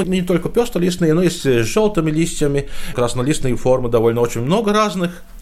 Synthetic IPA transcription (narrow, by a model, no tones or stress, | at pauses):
nʲɪt̪olʲkəpʲost̪əlʲisnɨjənojesʲtʲʐolˠt̪ɨmʲɪlʲisʲtʲjəmʲɪkɾasnɐlʲisnɨjəformɨd̪ɐvolʲnəot͡ɕɪnʲmno̞ɡəɾaznɨx